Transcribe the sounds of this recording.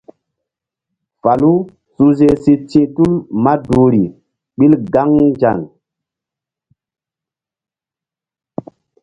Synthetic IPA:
fa˨lu˦ | su˦ze˦si˦t͡ʃĩ˦ʔtu˦lma˦du˨ɾi˨ | ɓi˦lɡa˦ŋd͡ʒa̰˨ŋ

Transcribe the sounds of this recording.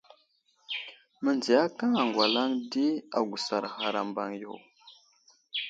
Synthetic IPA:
mə˨nd͡zi˨ja˦ka˦ŋa˨ŋɡwa˨la˦ŋdi˦a˨ɡu˨sa˨ɾɣa˨ɾa˨mba˨ŋjo˨w

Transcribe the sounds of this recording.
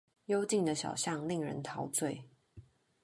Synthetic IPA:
jo˦˥ʊt͡ɕi˥˩ŋd̪ə˩ɕjɑ̰˨˩ʊɕjɑ˥˨ŋli˥˨˩ŋɻə̰˧˦nt̪ʰɑ˧˥ʊt͡swe˥˩ɪ

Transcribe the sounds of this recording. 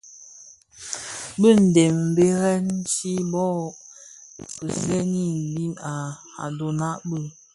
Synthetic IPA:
bə˦˨n̩˨de˨mm̩˨be˦ɣɛ˦n˦t͡ʃi˦bɔ˦˨ | kə˨sɛ˦ni˦˨bi˦na˨ | a̰˨do˨na˦ʔbə˦

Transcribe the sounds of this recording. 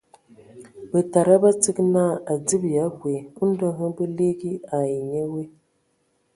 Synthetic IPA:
bə˨ta˨ɾa˦ba˦tɨ˦kna˦a˨di˦bja˨˦ɡwe˨u˦n̩˦də˦ɦɨ˦bɨ˦li˦ɡi˦a˨ji˨ɲe˦we˦

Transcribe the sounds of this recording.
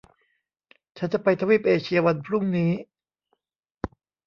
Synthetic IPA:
t͡ɕʰa˦˥nt͡ɕa˨˩pa˧jt̪ʰa˧wiː˦˥˩p̚ʔeː˧t͡ɕʰi˧ɐwa˧npʰɾu˥˩ŋniː˦˥

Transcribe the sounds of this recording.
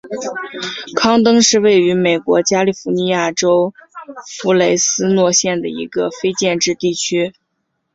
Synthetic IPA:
kʰɑ˥ŋt̪ɤ˥ŋʂɻ̩˥˧we˥˩ɪy˧˥me˨˩ɪkwɔ˧˥t͡ɕja˥li˥˩fu˧˥ni˧˥ja˥˩ʈ͡ʂo˥ʊfu˧˥le˧˥ɪsɹ̩˥nwɔ˥˧ɕjɛ˥˩nd̪ə˩ḭ˧˥ɡə˧fe˥ɪt͡ɕjɛ˥˧nʈ͡ʂɻ̩˥˧t̪i˥˩t͡ɕʰy˥

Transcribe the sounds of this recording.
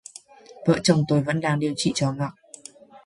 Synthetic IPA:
və̰ː˧˨t͡ɕə˧wŋ͡mt̪o˧jvə̰˧˥nɗaː˧ŋɗi˨˧əwt͡ɕḭ˧˨t͡ɕɔ˨˧ŋa˨˩t̚

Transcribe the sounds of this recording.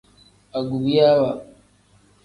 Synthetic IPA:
a˨ɡu˨bi˦ja˦wa˨

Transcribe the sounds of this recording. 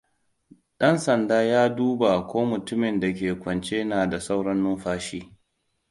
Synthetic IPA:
ɗɐ˦nsɐ˨ndaː˦jaː˦duː˦ba˨ʔa˨kʷoː˦mʊ˨tʊ˦mɪ˨nda˨k̬ʲeː˨kʷɐ˨nt͡ʃeː˦naː˨da˨sa˦wɽɐ˦nːʊ˦mɸaː˦ʃiː˦

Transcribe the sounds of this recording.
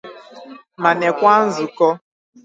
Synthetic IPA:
ma˨ne˨kʷa˦n̩˦zʊ˨kɔ˦

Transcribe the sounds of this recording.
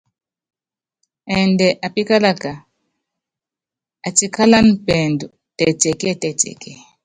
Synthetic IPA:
ɛ˨ndɛ˨ʔa˨pi˦ka˦la˦ka˨ | a˨ti˦kʰa˦la˦n˦pɛ˨ndu˨ | tɛ˨tɛ˨kɛ˦tɛ˨tɛ̰˨kɛ˦˨

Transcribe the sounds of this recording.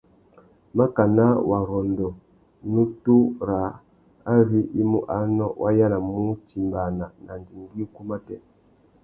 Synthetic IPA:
ma˦ka˨na˦wʔa˨ɾɔ˨ndɔ˨ | nu˦tu˦ɾa˨˦ | a˦vi˦ʔi˦mṵ˦ʔa˨˦nɔ˦wʔa˦ja˦la˨mu˦ti˨mba˨na˨nʔa˨nd͡ʒi˨ŋɡi˦ku˦ma˦tɛ˦

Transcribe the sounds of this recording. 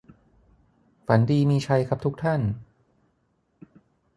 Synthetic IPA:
fa˩˦ndiː˧miː˧t͡ɕʰa˧jkʰa˦˥p̚t̪ʰu˦˥k̚t̪ʰa˥˩n

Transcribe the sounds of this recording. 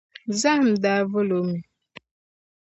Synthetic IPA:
za˦ŋm̩˨da˦vo˦lo˨˦mi˨

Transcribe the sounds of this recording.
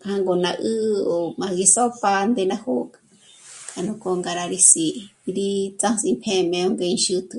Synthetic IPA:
khã˧ŋɡo˨nã˧ʔɨ˦o˨mã˨˧ɡi˧so˦pa˧nd̪e˧nã˦ho˦kʼḁ | kʰʼa˨nũ˧ko˧ŋɡa˧ɾa˧ɾi˧si˧ʔɾi˧˦t͡sã˦si˧mpʰẽ˧mẽ˧o˦ŋɡe˧i˧nʃɨ˧t̪ʰu˧

